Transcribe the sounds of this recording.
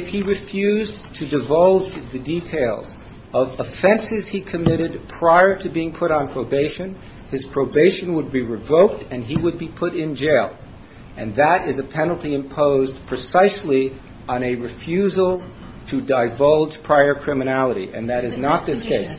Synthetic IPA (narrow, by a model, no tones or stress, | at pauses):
ɨfhiɹɨfjʉztʰɨdɨvʌlˠd͡ʒðɨditʰeɪlˠz̥ | ʌvəfɛ̃nsɨz̥hikʰɨmɪɾɨd̚pʰɹ̥aɪə˞ɾɨbiɪ̃ŋpʰʊɾn̩pʰɹ̥oʊbeɪʃɨ̃n | ɨz̥pʰɹ̥oʊbeɪʃɨ̃nwəd̚biɹɨvoʊk̚tɨ̃niwəd̚bipʰʊɾɪ̃nd͡ʒeɪlˠ | ʔɨ̃nðəɾɪzɨpʰɛnl̩ˠtiɨ̃mpʰoʊzpʰɹ̥ɨsaɪsli | ə̃nɨɹɨfjʉzl̩ˠ | tʰɨdaɪvʌlˠd͡ʒ̥pʰɹ̥aɪə˞kʰɹ̥ɪmɨnælˠəɾḭʔɨ̰̃nðɨɾɨznət̪̚ðɪskʰeɪs